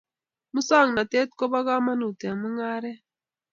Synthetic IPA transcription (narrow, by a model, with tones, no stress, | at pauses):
mu˦sa˦˨ŋna˨te˦tkɔ˦ba˦ɣa˦ma˦nu˨tɛ˨mɨ˦ŋa˦ɾɛ˦